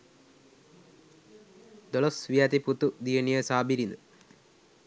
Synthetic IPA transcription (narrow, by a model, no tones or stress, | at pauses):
d̪olosʋijaːt̪iput̪ːud̪ijɐnijɐsaːbiɾinɨ